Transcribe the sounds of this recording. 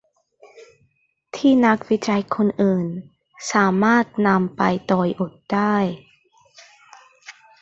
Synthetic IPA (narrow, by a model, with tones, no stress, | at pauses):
t̪ʰiː˥˩na˦˥k̚wi˦˥t͡ɕa˧jkʰo˧nʔɯː˨˩n | saː˩˦maː˥˩t̪̚na˧mpa˧jt̪ɔː˧jʔo˨˩t̪̚d̥aː˥˩j